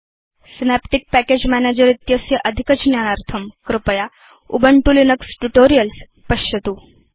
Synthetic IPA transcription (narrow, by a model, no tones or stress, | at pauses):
sinæpʈik̚pæked͡ʑmæned͡ʑəɾit̪jəsjəʔɐd̪ʱikət͡ʃnjanaɾt̪ʰəmkɾɪpəja | ubəɳʈulinɐksʈuʈoɾijəls | pɐɕjɐt̪uː